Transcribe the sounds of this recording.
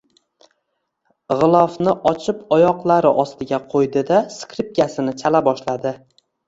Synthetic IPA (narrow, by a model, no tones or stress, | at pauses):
ʁɨlˠɒfnɪʔɒt͡ʃʰɪpɒjɒqlˠaɾɪʔɒst̪ɪɡʲaqʰojd̪ɪd̪askʲɾɪp̚kʲasɪnɪt͡ʃʰalabɒʃlad̪ɪ